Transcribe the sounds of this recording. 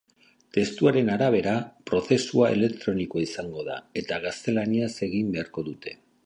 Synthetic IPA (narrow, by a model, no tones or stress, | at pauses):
t̪e̞st̪uaɾe̞naɾaβ̞e̞ɾapɾo̞θe̞suae̞̰le̞kt̪ɾo̞nikoaisaŋɡo̞ða̰e̞t̪aɣ̞ast̪e̞laniase̞ɣimbe̞aɾko̞ðut̪e̞̥